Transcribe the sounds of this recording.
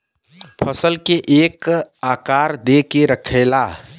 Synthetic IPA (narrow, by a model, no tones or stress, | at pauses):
pʰəsəlkeʔekakaɾd̪ekeɾəkʰela